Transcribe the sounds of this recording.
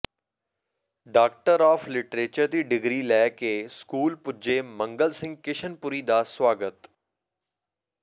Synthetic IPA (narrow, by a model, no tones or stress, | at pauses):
ɖaːk̚ʈəɾɔːfʰlɪʈɾeːt͡ʃəɾd̪iːɖɪɡɾiːlɛːkeːskuːlpʊd͡ʒeːmə̃ŋɡəlsɪ̃ŋɡ̚kɪʃʰənpʊɾiːd̪aːswaːɡət̪